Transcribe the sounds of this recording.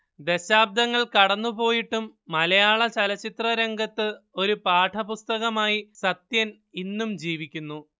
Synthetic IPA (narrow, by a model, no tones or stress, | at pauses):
d̪e̞ɕaːb̚d̪ɐŋːɐɭkɐɽɐnːupo̞ːjiʈːumːɐlɐjaːɭɐt͡ɕɐlɐt͡ɕit̪rɐɾeŋɡɐt̪ːɨo̞ɾupaːʈʰɐpust̪ɐɣɐmaːjisɐt̪jɐn | inːumd͡ʑiːʋikʲːunːu